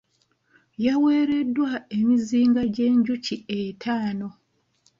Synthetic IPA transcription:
jawe̞ːɾe̞dːwaemiziːŋɡaɟe̞ːɲɟucietʰaːno̞

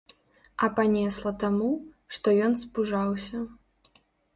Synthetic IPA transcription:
ɐpanʲɛslˠɐt̪amu | ʂt̪ɔjɔnspuʐawsʲɐ

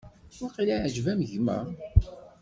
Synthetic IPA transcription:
waqiliʕəʒvæmʝmæ̰

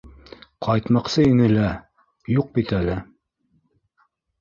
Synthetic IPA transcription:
qʰɑjt̪mɑqsɤinɘlæ | juq̚bit̪ælɘ

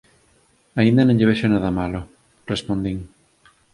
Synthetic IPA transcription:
aĩnd̪ɐnõŋʎeβ̞eʃonaðɐmalʊ | respond̪iŋ

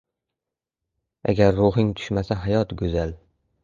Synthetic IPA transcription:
a̰ɡʲaɾːʊɦɪŋt̪ʰʊ̥ʃmasaɦajɒt̪ɡɵzal

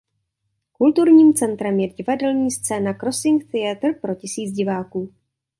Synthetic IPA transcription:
kult̪uɾɲiːmt͡sɛnt̪ɾɛmjɛɟɪvadɛlɲiːst͡sɛːnakɾo̞sɪŋkt̪ɪat̪r̩pɾo̞cɪsiːt͡sɟɪvaːkuː

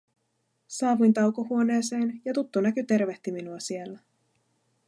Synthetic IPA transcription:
sɑːʋujnt̪ɑwkoɦuo̞ne̞ːse̞ːnjɑt̪ut̪ːonækyt̪e̞rʋe̞ht̪iminuɑsie̞lːæ

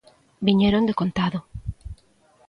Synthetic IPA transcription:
biɲeɾond̪ekont̪aðo

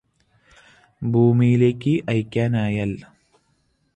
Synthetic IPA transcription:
bʱuːmijileːkʲːɨʔɐjkʲːaːnaːjɐl

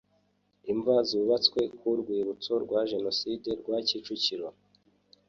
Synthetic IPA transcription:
iɱvaziuβat͡skwe̞kuɾɡwiːɾut͡so̞ɾɡwaʒe̞no̞siːde̞ɾɡwacit͡ʃuciɾo

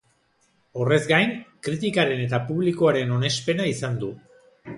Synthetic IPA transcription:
o̞re̞zɡajnkɾit̪̬ikaɾe̞ne̞t̪apuβlikoaɾe̞no̞ne̞spe̞naisand̪u

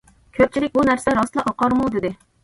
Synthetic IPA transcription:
kʲʰøp̚t͡ʃʰilɪk̚ʲbunæɾsɛɾɑst̪lˠɑʔɑqɑɾmud̪ɪd̪ɪ

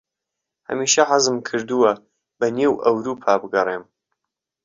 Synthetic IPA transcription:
hɐ̰miːʃɐħazɨmkʰɨɾd̪ɨwɐ | b̥ɐneːwʔɐwɾuːpʰaːbɨɡɐreːm

